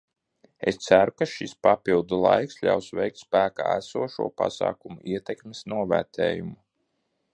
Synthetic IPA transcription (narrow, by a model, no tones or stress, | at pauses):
ḛst̪sæɾukaʃispapilˠd̪ulˠajksʎʲa̰wsvɛjk̚t̪spæːka̰ːæsuɔʃuɔpa̰sa̰ːkumuʔiɛt̪ekmesnuɔvæ̰ɾt̪ʰɛ̰ːjumu